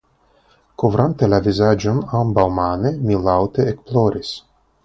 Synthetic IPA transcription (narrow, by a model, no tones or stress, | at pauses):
kovɾʔant̪elavizad͡ʒonambawmanemilawt̪eːkploɾis